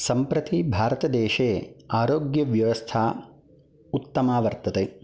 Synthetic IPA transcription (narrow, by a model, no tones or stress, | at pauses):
sɐmpɾɐt̪ibʱaːɾɐt̪ɐd̪ɛːʃeːaːɾoːɡjɐʋjɐʋɐst̪ʰaː | ut̪ːɐmaːʋɐɾt̪ɐt̪eː